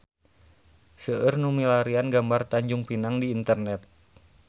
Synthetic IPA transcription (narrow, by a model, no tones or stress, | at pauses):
səʔərnumilaɾianɡambart̪aɲd͡ʒuŋpinaŋdiːnt̪ərnɛt̪̚